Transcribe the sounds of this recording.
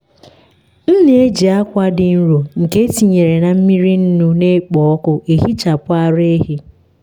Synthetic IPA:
n̩˦ne˨˦e˦d͡ʒi˨a˦kʷa˦dɪ˨n̩˦ɾo˨ŋ̩˨ke˦ti˨ɲe˨ɾe˨na˨m̩˦mi˦ɾi˦n̩˦nu˦ne˦k͡pɔ˨ɔ˦kʊ˦ʔe˨ɦi˦t͡ʃa˨pʊ˦a˦ɾe˦ɦi˦

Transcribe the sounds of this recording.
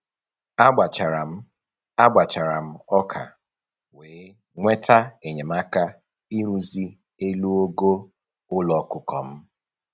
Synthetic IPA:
a˦ɡ͡ba˨t͡ʃa˨ɾa˨m̩˦ | a˦ɡ͡bʷa˨t͡ʃa˨ɾa˨m̩˦ɔ˦kʰa̰˨ | weː˨˦ | ŋʷe˦tʰa˦e˨ɲe˨ma˦ka˦ | i˦ɾu˦zi˦ | e˦lu˦o˦ɡo˦ | ʊ˦lɔ˨˦kʊ˦kɔ̰˨m̩˦

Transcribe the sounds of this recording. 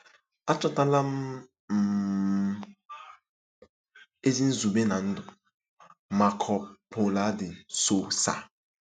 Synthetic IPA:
a˦t͡ʃɔ˦ta˦la˦m̩˦˨ | e˦zi˦n̩˦zu˨be˦na˨n̩˦dʊ˨ | ma˨kʰɔ˨pʰo˨la˨˦dɪ˨so˦sa̰˨

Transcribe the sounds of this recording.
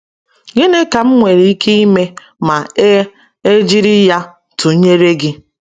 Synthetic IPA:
ɡɪ˦nɪ˦ka˨m̩˦ŋʷe˨ɾi˨i˦kʰe˦i˦me˦ | ma˨e˦ | e˦d͡ʒi˦ɾi˦ja˦ | tʊ˨˦ɲe˦ɾe˦ɡɪ˦

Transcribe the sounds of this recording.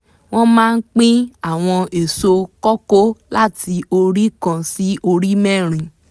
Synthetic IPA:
w̃ɔ̃˦mãː˦˧n̩˦k͡pĩ˦a˦˨w̃ɔ̃˧e˨so˧kɔ˦ko˦la˦˨ti˧o˧ɾi˦kã˧si˦ʔo˧ɾi˦mɛ̃˦˨ɾ̃ĩ˨

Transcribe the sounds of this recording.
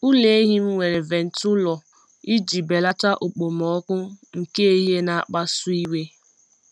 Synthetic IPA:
u˦le˨e˦ɦi˦m̩˦ŋʷe˨ɾe˨ve˨n̩˨tʊ˦lɔ˨ | i˦d͡ʒi˨be˨la˦ta˦ʔu˨k͡po˨m˨ɔ˨˦kʷʊ˦ŋ̩˨ke˦ɦe˦na˨k͡pa˦su˦i˦we˦

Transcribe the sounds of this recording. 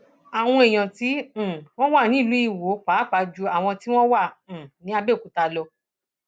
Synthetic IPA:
a˨w̃ɔ̃˧e˨j̃ã˨tĩ˨˦˨w̃ɔ̃˦wa˦˨nĩ˨˦˨lu˨˦i˦˨wo˨˦k͡pa˨˦k͡pa˨˧˦d͡ʒu˧a˨w̃ɔ̃˧ti˦w̃ɔ̃˦wã˦˨nĩ˨˦a˧be˦˨ku˨ta˧lɔ˧

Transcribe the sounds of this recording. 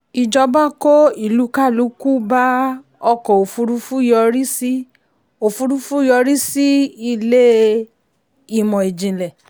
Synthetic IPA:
i˨d͡ʒɔ˧ba˦ko˦i˦˨lu˨˦ka˦˨lu˨˦ku˦ba˦ | ɔ˧kɔ˨o˨fu˧ɾu˧˦fu˦jɔ˧ɾi˦si˦ | o˨fu˧ɾu˧fu˦jɔ˧ɾi˦si˦i˦˧le˦ | i˦˨mɔ̃˨e˨d͡ʒĩ˨lɛ˨

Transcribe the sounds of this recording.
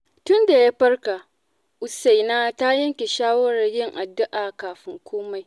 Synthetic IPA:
tʊ˦nda˨ja˦ɸɐ˦rka˨ | ʔʊ˨sa˨jnaː˦ta˦jɐ˦ŋkʲe˨ʃaː˦wɐ˦ɾɐ˨rjɪ˦ŋʔa˨dːʊ˦ʔaː˨kaː˨ɸɪ˦ŋkʷoː˦ma˨j

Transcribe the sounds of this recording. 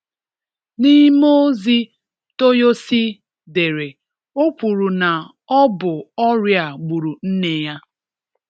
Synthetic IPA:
ni˦mo˦zi˦ | to˦jo˦si˦ | de˨ɾe˨ | o˦pʷu˨ɾu˨na˨ | ɔ˦bʊ˨ɔ˦ɾja˨ɡ͡bu˨ɾu˨n̩˦ne˦ja˦

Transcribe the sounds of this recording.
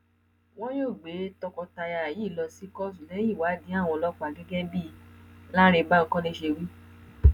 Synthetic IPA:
wɔ̃˦j̃o˦˨ɡ͡be˨˦tɔ˧kɔ˧ta˧ja˧˨ji˦˨lɔ˧si˦kɔ˦sũ˨nɛ̃˨˦i˦˨wa˨˦dĩ˨˦a˦˨w̃ɔ̃˧lɔ˦k͡pa˨ɡɛ˦ɡɛ˦bi˦˨la˦ɾe˧ba˦kɔ̃˦nĩ˧˦ʃe˧wi˦

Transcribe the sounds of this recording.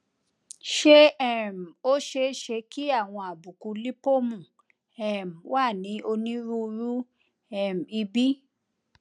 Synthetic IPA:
ʃe˦ɛ˦˨m˨o˦ʃe˧˦ʃe˧ki˦a˦˨w̃ɔ̃˧a˨bu˨ku˧˦li˦po˦mũ˨ | ɛ˨m˨wʔa˦˨nĩ˨˦o˧nĩ˦ɾu˦˧ɾu˦ | ɛ˦˨m̩˨i˧bi˦

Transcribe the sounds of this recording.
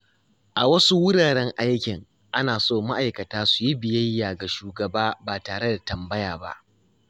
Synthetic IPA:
ʔa˨wɐ˦su˦wʊ˦ɽaː˨ɽɛ˦ŋʔa˦jkʲɪ˨ŋ | ʔa˦naː˨soː˦˨ma˦ʔa˨jkɐ˨taː˦su˨ji˦bɪ˨jɐ˦jːaː˨ɡa˨ʃuː˨ɡɐ˨baː˦baː˨taː˨ɽe˦da˨tɐ˨mbɐ˦jaː˨ba̰˦ʔ

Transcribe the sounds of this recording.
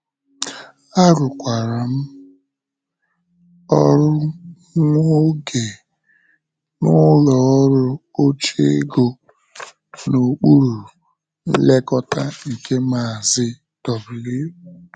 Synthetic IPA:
a˦ɾʊ˨kʷa˨ɾa˨m̩˦ | ɔ˦ɾʊ˦ | ŋʷo˦ɡe˨ | nʊ˦lɔ˨˦ɾʊ˦o˦t͡ʃe˦e˦ɡo˨ | no˨k͡pu˦ɾu˨ | n̩˦le˦kɔ˦ta˦ŋ̩˨ke˦ma˨a˨zɪ˦ | tɔ˨bʊ˨le˦˨

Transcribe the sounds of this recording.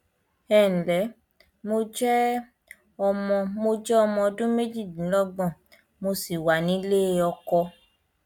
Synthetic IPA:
ɛ˦˨lɛ˨˦ | mo˧d͡ʒɛ˦ | ɔ˧mɔ̃˧mo˧d͡ʒɛ˦ɔ˧mɔ̃˧dũ˦me˦d͡ʒi˦˨ĩ˨˦lɔ˦ɡ͡bɔ̃˦˨ | mo˧si˨wa˨nĩ˨˦le˦˧ɔ˧kɔ˧

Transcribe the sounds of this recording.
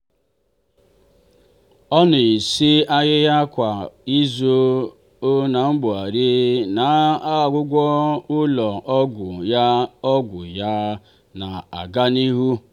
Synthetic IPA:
ɔ˦nʊ˨i˨si˦a˦ɣɪ˦ɦa˦kʷa˨i˦zo˦ | o˦na˨ŋ͡m̩˦ɡ͡bʊ˨a˨ɾi˦na˨a˦˨ɡʷʊ˦ɡʷɔ˦ʊ˦lɔ˨ʔɡ | ɔ˦ɡʷʊ˨ja˦ | na˨a̰˨ɡa˦ni˦ɦu˦

